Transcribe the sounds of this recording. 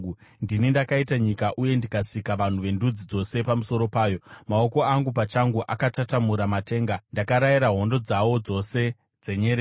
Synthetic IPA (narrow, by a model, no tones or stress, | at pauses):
ndinindakaitaɲikaʔuje̞ndikasikaʋan̤uʋe̞ndud͡zid͡zo̞se̞pamuso̞ɾo̞paːjo̞mao̞ko̞aŋɡupat͡ʃaŋɡuʔakatatamuɾamate̞ːŋɡandakaɾajiɾaɦo̞ndo̞d͡zawo̞d͡zo̞se̞ | d͡ze̞ɲeɾe